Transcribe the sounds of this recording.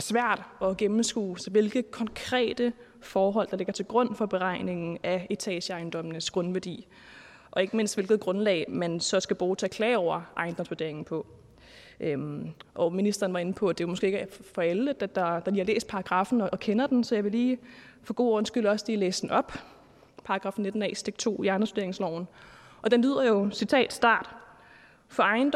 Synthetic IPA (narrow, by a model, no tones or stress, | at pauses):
sʋæɐ̰d̥ɒ̽ɡ̥emm̩sɡ̥ṵːsɒ̽ʋe̝lɡ̥ð̩ˠkʰɒ̽nkʰʁɛ̰ːd̥ə | fɒːɦɒ̽l̰d̥ɑle̝ɡ̥ɐt͡sʰe̝lɡ̥ʁɔ̽n̰fɒ̽b̥e̝ʁɑ̈ɪne̝ŋn̩æet͡sʰɛ̰ːɕəɑ̈ɪnd̥ɒ̽m̰nəsɡ̥ʁɔ̽nʋæɐd̥ḭː | ʔɒ̽e̝ɡ̥əme̝n̰sd̥ʋe̝lɡ̥ð̩ˠɡ̥ʁɔ̽nlɛ̰ːɪmensɒ̽sɡ̥æb̥ʁuːt͡sʰeɛkʰlɛːɒʊ̰ɐʔɑ̈ɪnd̥ɒ̽msʋod̥e̝ɐ̰e̝ŋn̩pʰɒ̽ | ʔøʔɒ̽minisd̥ʁɐːn̩ʋɑ̈e̝n̩pʰɒ̽æd̥e̝ʋɑmɔsɡ̥e̝ːeɡfɒ̽eləd̥æd̥ɑ̈d̥ɑ̈liːhɑ̈lḛːsd̥pʰɑ̈ɑ̈ɡ̥ʁɑ̈fn̩ɒʔːkʰenɐd̥n̩sɒ̽jɑ̈ɪʋe̝liːfɒ̽ɡ̥o̝̰ːɔ̽n̩sɡ̥yl̰ɒ̽sliːlḛːsd̥en̩ɒ̽b̥ | pʰɑ̈ɑɡ̥ʁɑ̈fn̩ne̝d̥n̩ɛ̰ːsd̥e̝ɡ̥̚t͡sʰo̝̰ːiæɐnsʋ̥d̥e̝ɐeŋslɒʊ̰n̩ | ʔɒ̽d̥enlyð̞̰ˠɐjo̝sit͡sʰɛ̰ːd̥sd̥ɑ̰̈ːd̥ | fɒ̽ɑ̈ɪnd̥